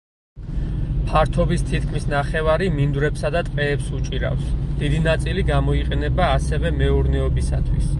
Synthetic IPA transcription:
pʰaɾt̪ʰɔbist̪ʰit̪̚ʰkʰmisnaχɛvaɾimind̪ɾɛpsad̪at̪ʼqʼɛːpsut͡ʃʼiɾa̰fsd̪̥id̪inat̪sʼiliɡamɔiqʼɛnɛbaːsɛvɛmɛuɾnɛɔbisa̰t̪ʰwis

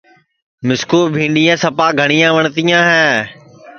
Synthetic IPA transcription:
mɪskuːɾbʱĩːɳɖijãːsɐpaːɡʱəɽ̃ijãːʋəɳ̃t̪ijãːɦɛː

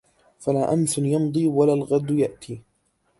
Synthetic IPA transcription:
falaːʔanθʊnjɑnd̪ˤiːwalaːlɣad̪jaʔt̪ʰiː

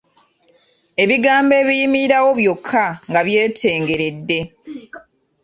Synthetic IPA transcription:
e̞βiɡaːmbe̞ːβijimiɾawo̞βjo̞kʰːaŋɡaβje̞ːtʰe̞ːŋɡe̞ɾe̞dːe̞

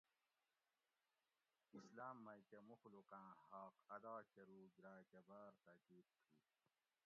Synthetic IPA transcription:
islaːmːɐkemuxluqæ̃ːhaːqɐd̪aːkɐɾuːɡɾaːkɐbaːɾt̪aːkiːt̪̚tʰiː

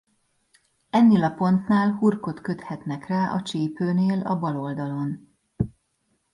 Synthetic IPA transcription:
ɛnːeːlɒpo̞nt̪naːlɦurko̞t̪kø̞t̪hɛt̪nɛkraːʔɒt͡ʃeːpøːneːlɒbɒlo̞ld̪ɒlo̞n

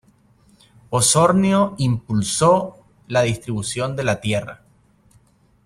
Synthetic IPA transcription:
poso̞ɾnjoimpulso̞ | laðist̪ɾiβusjo̞nd̪e̞lat̪je̞ra̰

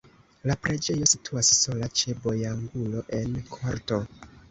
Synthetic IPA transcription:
lapɾe̞d͡ʒe̞jo̞sitʰuasso̞lat͡ʃe̞bo̞jaŋɡulo̞ʔe̞nkʰoɾto̞

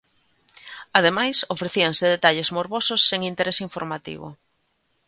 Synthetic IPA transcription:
að̞emajsofɾeθiaŋseðet̪aʎezmoɾβosʊsːeŋint̪eɾesiɱfoɾmat̪ḭβʊ̰

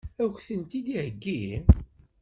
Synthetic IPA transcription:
æçθənt̪id̪ihəɡːi

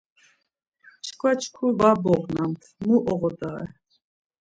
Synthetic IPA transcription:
t͡ʃʰkʰʼvat͡ʃʰkʰuvabɔʁnamt̪ʰmuʔɔʁɔd̪aɛ̰

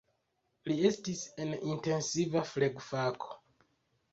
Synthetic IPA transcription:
liestisenʔinte̞nsivafleɡfakʰo̥

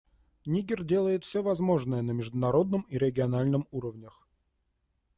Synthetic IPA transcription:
nʲiɡʲɪrdʲe̞lˠəjɪt̪fsʲovɐzmo̞ʐnɨjənəmʲɪʐd̪ʊnɐɾo̞d̪̚nəmiɾʲɪɡʲɪɐnalʲnɨmuɾəvnʲəx

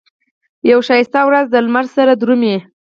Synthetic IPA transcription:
jawʃɑjɪst̪ɑwɾazd̪əlmaɾzsaɾad̪ɾumje

